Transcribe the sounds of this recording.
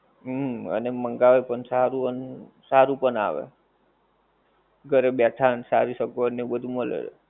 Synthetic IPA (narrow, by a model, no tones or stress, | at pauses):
ə̰neməŋɡaʋepəɳsaɾuən | saɾupəɳa̰ʋḛ | ɡʱəɾebjatʰansaɾiʃəkoəneũbəd̪ʱuməlḛ